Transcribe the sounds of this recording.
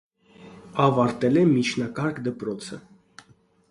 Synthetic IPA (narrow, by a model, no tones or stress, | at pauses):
ɑvɑɾt̪ɛlɛmit͡ʃʰnɑkɑɾkd̪əpɾɔt͡sʰə